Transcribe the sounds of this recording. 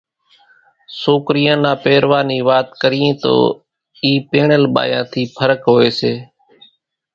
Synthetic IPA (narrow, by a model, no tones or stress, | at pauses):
soːkɾijãːnãːpeːɾʋaːniːʋaːt̪kəɾijẽːt̪o̰ː | iːpeːɳəlɓa̰ːjã̰ːt̪ʰiːpʰəɾəkɦoːeːseː